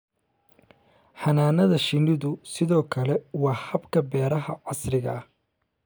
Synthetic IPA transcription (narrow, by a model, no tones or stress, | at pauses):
ħɐnaːnɐðɐʃɪnɪðʊsɪðɔːkʰɐlɛwɑːhɐbkʰɐbɛːɾɐɦɐʕɑsrɪɣɐ̰h